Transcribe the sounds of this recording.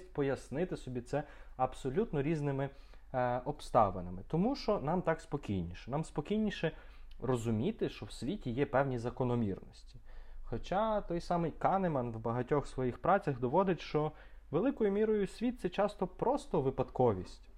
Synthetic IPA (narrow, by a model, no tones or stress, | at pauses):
t̚ʲpɔjɐsnɪt̪ɪsɔbʲit̪sɛɐbsɔlʲut̪nɔɾʲiznɪmɪ | ʔɔpst̪ɑ̰ʋenɪmɪt̪ɔmuʃt͡ʃɔnɑmt̪ɑkspɔkʲijnʲiʃɛ̥nɑmspɔkʲijnʲiʃɛ | rɔzʊmʲit̪ɪʃt͡ʃɔwsʲʋʲitʲijɛpɛwnʲizɐkɔnɔmʲḭrnɔsʲtʲi̥xɔt͡ʃɑt̪ɔjsɑmɪjkɑnemɐnʋbɐɦɐtʲɔxsʋɔjixpɾɑt͡sʲɐɣd̪ɔʋɔd̪ɪtʲʃt͡ʃɔ | ʋelˠɪkɔjʊmʲiɾɔjʊsʲʋʲit̪̚sɛt͡ʃɑst̪ɔpɾɔst̪ɔʋɪpɐd̪kɔʋʲisʲtʲ